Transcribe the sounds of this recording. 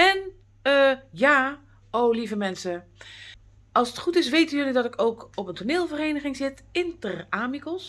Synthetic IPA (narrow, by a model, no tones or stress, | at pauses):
ɛn | əjaː | owlivəmɛnsə | ɑlˠsətχutɪsʋeːtənjølədɔtɪkʰowkɔpəntʰoneːlˠvəreːnəɣɪŋzɪtɪntəraːmikəlˠs